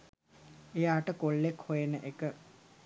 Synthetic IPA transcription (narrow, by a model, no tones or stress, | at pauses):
ejaːʈəkoɭːekhojenəʔekə